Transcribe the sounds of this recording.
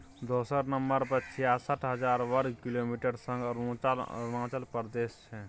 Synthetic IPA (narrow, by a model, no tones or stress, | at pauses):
d̪oːsəɾnəmbəɾpəɾt͡ʃʰijaːsəʈʰɦəd͡ʒaːɾʋəɾkiloːmiʈəɾsə̃ŋɡɾ̃lãːt͡ʃəlpəɾd̪eːst͡ʃʰɛ